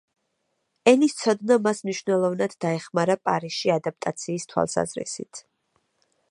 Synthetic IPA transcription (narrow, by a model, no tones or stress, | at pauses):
ɛnist̪sʰɔd̪namasmniʃvnɛlˠɔvnad̪ːaɛχmaɾapʼaɾisʃiad̪ap̚t̪ʼat̪sʰiːst̪ʰwa̰lˠsa̰zɾḭsḭt̪ʰ